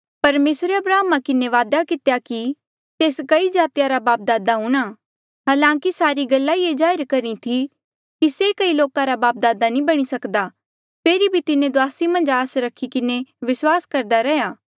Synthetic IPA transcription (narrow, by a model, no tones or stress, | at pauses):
pɐɾmeːsɾeɐbɾaːmakɪneʋaːd̪akɪt̪ejaki | t̪eːskɐid͡ʒaːt̪ijaɾabaːp̚d̪aːd̪aɦũːɽ̃a | ɦaːlãːkisaːɾiɡɐlːaied͡ʒaːɪɾkɐɾit̪ʰi | kisekɐiloːkãɾabaːp̚d̪aːd̪anĩbɐɽ̃isɐkd̪a | pʰeːɾibʱit̪ɪnẽd̪ʊaːsimɐ̃nd͡ʒaːsɾɐkʰːikɪneʋɪswaːskɐɾd̪aɾɛɦjaː